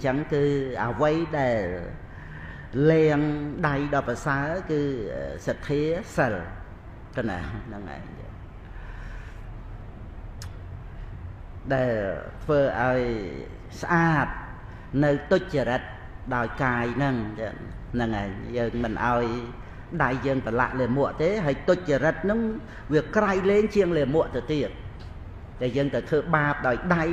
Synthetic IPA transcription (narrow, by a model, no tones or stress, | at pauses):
ɲt͡ɕəŋkɨːʔəəʋəjɗaɛl | lɛəŋɗajɗɑːpasaəkɨːsat̪ʰːiəsəl | kəna̰nɨŋʔa̰ɛɲə̰ | ɗaɛlt̪ʰʋəːʔaɔj | sʔaːp̚ | nɨwt̪ʊc̚t͡ɕaɾət̪̚ | ɗaɔjkaːjnɨŋ̰ | nɨŋʔa̰ɛɲjəːŋmɨnʔa̰ɔj | ɗajːəːŋpəla̰ʔleːmʊəʔt̪eːɦaːjt̪ʊc̚t͡ɕaɾət̪̚nɨŋ | ʋiəkrajleːŋt͡ɕiəŋleːmʊ̆əʔt̪ɨwt̪iət̪̚ | ɗaɛljəːŋt̪əwt̪ʰəːɓaːp̚ɗaɔjɗaj